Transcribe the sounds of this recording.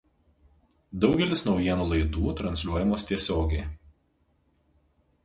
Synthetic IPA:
d̪ɒʊɡʲɛlʲɪsnɒʊjiɛnuːlˠɐɪd̪uːt̪ɾɐnʲsʲlʲuɔjɛmoːst̪ʲiɛsʲoːɡʲɛɪ

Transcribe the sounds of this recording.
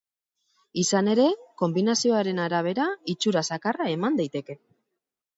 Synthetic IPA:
isane̞ɾe̞ko̞mbinasio̞aɾe̞naɾaβ̞e̞ɾait͡ʃuɾasakarae̞mand̪ajt̪e̞ke̞

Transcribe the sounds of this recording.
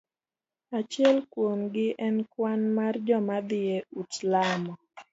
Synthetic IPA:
at͡ʃɪɛlkwonɡɪʔɛnkwanmard͡ʒɔmad̪ɪeutlamɔ

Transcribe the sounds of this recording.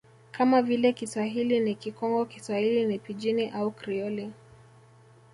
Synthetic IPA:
kamavilɛkiswaɦilinikikɔŋɡɔkiswahilinipid͡ʒiniʔaukɾiɔli

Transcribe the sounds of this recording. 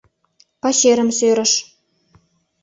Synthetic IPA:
pɑɕeɾə̆msøɾɘ̆ʃ

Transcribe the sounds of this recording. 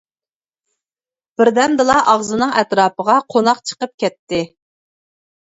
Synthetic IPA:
b̥ɪɾd̪ɛmd̪ɨlˠɑʔɑʁzɨnɨŋɛt̪ɾɑːpəʁɑqʰonɑqt͡ʃʰə̥qəp̚kʲɛt̪ʰːɪ

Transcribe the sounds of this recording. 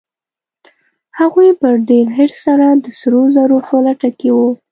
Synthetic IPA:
haɣujpəɾɖeɾɦɪɾsaɾad̪əsɾozaɾopolaʈakewu

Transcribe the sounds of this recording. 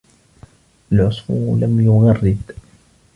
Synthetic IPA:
ʔalʕʊsˤfʊ̰lamjʊɣɑrːɪd̪

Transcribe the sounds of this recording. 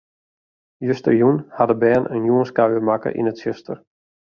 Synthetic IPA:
jøstə̰rjunhadəbɛːnʔə̰njuənskawəmakə̰ʔḭnətsøstə̰r

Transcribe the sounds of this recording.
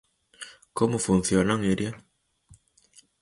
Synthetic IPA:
komofunθjonaŋeɾja

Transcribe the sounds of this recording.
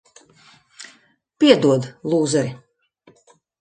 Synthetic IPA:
pʲiɛd̪uɔd̪lˠuːzɛɾi

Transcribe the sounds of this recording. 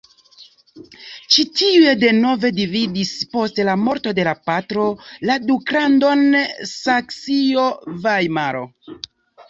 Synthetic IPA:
t͡ʃitiue̞de̞no̞ve̞dividispo̞stlamo̞ɾto̞de̞lapatɾo̞ladukɾando̞nsaksio̞vajmaɾo̞̰

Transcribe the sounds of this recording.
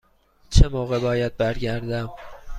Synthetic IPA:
t͡ʃʰemoːɣe̞bɒːjæd̪̚bæɾɟæɾd̪æm

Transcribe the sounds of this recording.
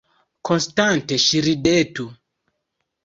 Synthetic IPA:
konstanteʃiɾidetu

